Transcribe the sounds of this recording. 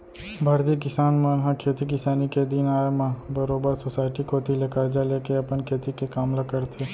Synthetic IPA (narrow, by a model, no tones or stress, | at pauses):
bʱəɾd̪ikɪsaːnmənɦãkʰeːt̪ikɪsaːniked̪ɪnaːjmɐ̃bəɾoːbəɾsoːsaːɪʈikot̪ilekəɾd͡ʒaleːkeɐpənkʰeːt̪ikekaːmlɐkəɾt̪ʰeː